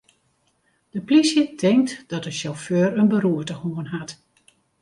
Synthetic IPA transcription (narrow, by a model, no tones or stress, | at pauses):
d̥əplisjətʰɪŋktd̥ɔtəʃoføːrənbəɾuətəhoənɦat